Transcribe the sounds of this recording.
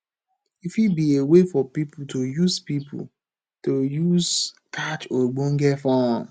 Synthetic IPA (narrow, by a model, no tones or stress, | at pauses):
ifibiewefɔpipʊtojuzpipʰʊ̰ | tojuz | kʰat͡ʃoɡ͡boŋ̩ɡefɔn